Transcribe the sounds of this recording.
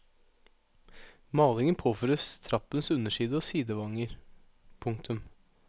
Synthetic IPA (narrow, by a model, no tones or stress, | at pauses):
mɑːlɪŋənpʰoːfɾʉst̪ʰɾɑpənsʉnəʂiːd̪əoːsiːd̪əʋɑŋəɾ | pʰʊŋkt̪ʰʉm